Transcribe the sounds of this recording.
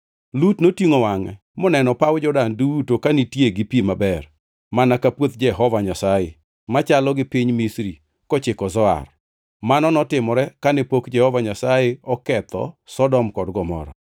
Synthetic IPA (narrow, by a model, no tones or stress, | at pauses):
lutnotiŋowaŋɛ̰ | mɔnɛnɔpawd͡ʒɔdanduutokanitjeɡipimabɛr | manakapwot̪d͡ʒɛɦɔvaɲasajḛ | mat͡ʃalɔɡɪpiɲmisɾi | kɔt͡ʃɪkɔzɔa̰r | manɔnɔtɪmɔɾɛkanɛpokd͡ʒɛhɔvaɲasajeɔkɛt̪ɔ̰sɔdɔmkɔdɡɔmɔ̰ɾɔ